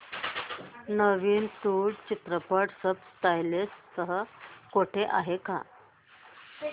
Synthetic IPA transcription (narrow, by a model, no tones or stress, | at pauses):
nəʋiːnt̪uɽt͡ɕit̪ɾəpəɽsəbsʈ̪ajlessəɦəkoʈʰeʔa̰ɦeka̰